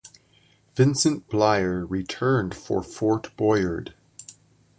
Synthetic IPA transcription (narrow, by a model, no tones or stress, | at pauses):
v̥ɪ̃nsɨ̃nb̥laɪə˞ɹitʰɜ̃˞nd̥fə̰˞fɔɹtb̥ɔɪə˞d̥